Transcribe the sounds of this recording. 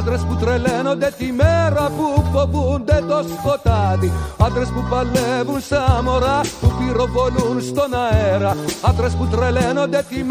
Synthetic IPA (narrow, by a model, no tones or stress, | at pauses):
ad̪ɾɛsput̪ɾɛlɛnɔd̪ɛt̪imɛɾapupːɔvund̪ɛd̪ɔspɔt̪ad̪iad̪ɾɛspupalːɛvunsamɔɾaupiɾɔvɔlunst̪ɔnaɛɾaad̪ɾɛsput̪ɾɛlɛnɔd̪ɛt̪im